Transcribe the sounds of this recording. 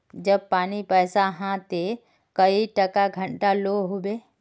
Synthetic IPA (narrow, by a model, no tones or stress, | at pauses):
d͡ʒəb̚paːnipɛːsaɦãt̪e | kəiʈɐkaɡʱə̃ɳʈaloɦobe